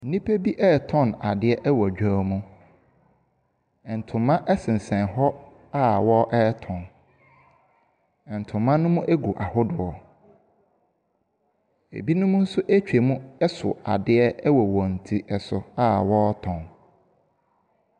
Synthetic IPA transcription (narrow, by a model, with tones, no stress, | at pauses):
n̩˦˨nĩ˦pe˦bi˦ʔɛː˦tʰɔ̃˦˨na˨dɪ˦ɛ˦ʔɛ˦wɔ˨d͡ʑᶣa˦mũ˦ | ɛ˨n̩˨tʰʊ̃˨mːã˦ʔɛ˦sɪ̃˨n̩˨sɛ̃˨nɦɔ˦ | a˦wɔ˦ʔɛː˦tʰɔ̃˨n | ɛ˨n̩˨tʰʊ̃˨mːã˦nʊ̃˦mũ˦ʔæ˦ɡu˨ʔa˨hʊ˦dʊ˨ɔ˨ | ḛ˨bi˦nʊ̃˦mʊ̃˦n̩˦sʊ˦ʔæ˦t͡ɕᶣe˨mũ˦ɛ˦sʊ̰˨a̰˨dɪ˦ɛ˦ɛ˦wɔ˨wɔ̃˨n̩˨tʰi˦ɛ˨sʊ˨a˦wɔ˦tʰɔ̃˨n